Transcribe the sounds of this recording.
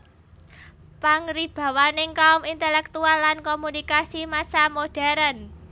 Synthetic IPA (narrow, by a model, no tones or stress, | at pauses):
paŋɾib̥a̤wanɪŋkaʊmint̪ɛlɛk̚t̪ualːankomunikasimasamoɖ̥a̤ɾən